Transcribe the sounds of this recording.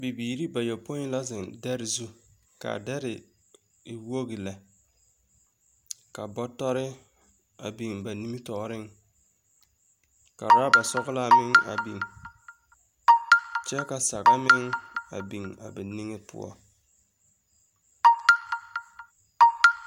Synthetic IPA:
bi˨biː˨ɾi˦ba˨jo˨po˦ɪ˦la˦zɪ˨ŋdɛ˦ɾɪ˨zu˦ | ka̰˨dɛ˦ɾɪ˨ | wo˦ɣi˨la˨ | ka˨bɔ˦tɔ˦ɾɪ˦ | a˨bi˨ŋba˨ni˦mi˦tɔ˨˦ɾɪ˦ŋ | ka̰˨ɾa˦ba˨sɔ˦ɣɪ˦la˦˨mɪ˦ŋa̰˨bi˨ŋ | t͡ʃɛ˦ka˨sa˨ɡa˦mɪ˦ŋa̰˨bi˨ŋa̰˨bɛ˨ni˦ŋɪ˦pʊ̰˦ɔ̰˦

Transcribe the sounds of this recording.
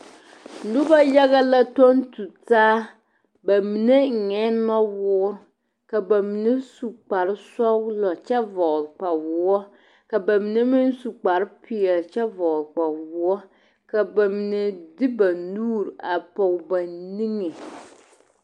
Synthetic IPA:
n̩˨dʊ˦ba˦ja˦ɣa˦la˦to˦ntu˨taː˦ | ba˨mi˨ne˦ŋ̩˨ŋɛ˦nɔ˦wʊː˦ | ka˨ba˨mi˨ne˦su˨k͡pa˨ɾɪ˦sɔ˦ɡlɔ˨t͡ʃɛ˦vɔ˨lk͡pa˨wʊ˦ɔ˦ | ka˨ba˨mi˨ne˦mi˦n˦su˨k͡pa˨ɾɨ˦pɪ˨ɛ˨lt͡ʃɛ˦vɔ˨lk͡pa˨wʊ˦ɔ˦ | ka˨ba˨mi˨ne˨dɪ˦ba˨nuː˦˨ɾa˨pɔ˨ba˨ni˦ŋe˨

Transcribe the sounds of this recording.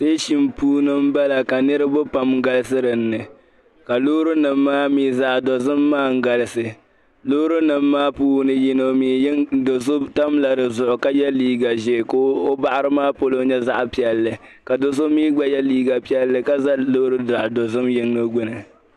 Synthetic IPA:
se˦ʃi˨mpuː˦nɨ˦m̩˦ba˦la˨ka˨nɨ˦ɾɨ˦bʊ˦pa˨m˦ɡa˦lɨ˦s̬ɨ˦ɾɨ˨nːɨ˨ | ka˨loː˦ɾɨ˦nɨ˨mːaː˦miː˦za˦ʔdo˨zɨ˦mːaː˦ŋ̩˦ɡa˨lɨ˦sɨ˨ | lo˦ɾɨ˦nɨ˨mːaː˦puː˦nɨ˦ji˦no˦miː˨˦ŋdo˨so˦ta˦mla˨dɨ˨zʊ˨ʔʊ˨ka˦jɛ˦liː˦ɡa˨ʒɛ˨ko˦o˦ba˦ʔa˦ɾɨ˦maː˦po˦lo˦ɲɛ˦za˦ʔpi˨ɛ˨lːɨ˨ | ka˨do˨s̬o˦miː˦ɡ͡ba˦jɛ˦liː˦ɡa˨pi˦ɛ˦lːɨ˦ka˦za˦lo˦ɾɨ˦da˨ʔdo˨zʊ˦mjɪ˦ŋnɨ˦ɡ͡bʊ˦nɨ˨

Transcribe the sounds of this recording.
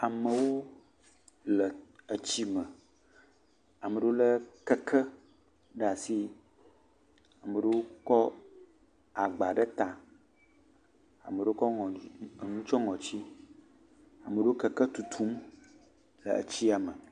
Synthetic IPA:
a˨mə˨wo˦ | lə˨ə˨t͡ɕi˦mə˨ | a˨mə˨ɖo˦lə˦kə˦kʰə˦ | ɖa˨si˦ | a˨mə˨ɖə˦wo˦kɔ˦ | a˨ɡ͡ba˨ɖə˦t̪a˨ | a̰˨mə˨ɖə˦o˦kɔ˦ŋ˨nũ˦t͡ʃɔ˦ŋɔ̃˨t͡ɕi˦ | a˨mə˨ɖə˦wo˦kə˨kə˦t̪u˨t̪ʰu˦m | lə̰˨ə̰˨t͡ɕi˦a˨mə˨

